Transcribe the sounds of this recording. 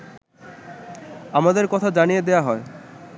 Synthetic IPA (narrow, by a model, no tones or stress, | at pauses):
amad̪eɾkɔt̪ʰad͡ʑanijed̪eaɦɔe